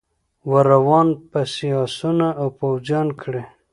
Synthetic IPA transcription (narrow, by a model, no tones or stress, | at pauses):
waɾawɑnpasiɑsunaːwpawzjɑnkʰɽe